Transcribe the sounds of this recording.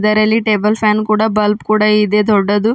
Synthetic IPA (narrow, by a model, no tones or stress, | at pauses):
d̪ɐɾɐlːiʈeːbɐlpʰaːnkuːɽabɐlpkuːɽaid̪eːd̪ɔɖːɐd̪u